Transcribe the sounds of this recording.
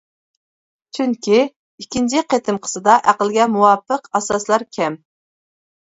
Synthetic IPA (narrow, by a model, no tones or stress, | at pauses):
t͡ʃʰyŋkʲʰi | ikʲint͡ʃʰiqʰet̪ʰɪmqʰə̥sɨd̪ɑʔæqəlɡʲɛmuwɑpəqɑsɑslˠɑɾkʲʰɛm